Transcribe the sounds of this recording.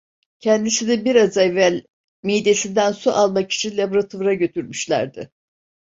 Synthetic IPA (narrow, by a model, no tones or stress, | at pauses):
cʰɛnd̪isinibiɾazɛvælʲ | mijd̪e̞sind̪ænsuʔalˠmaki̥t͡ʃʰinlʲabɾat̪ʰuɾaɟø̞t̪ʰyɾmyʃlʲæ̰ɾd̪ɪ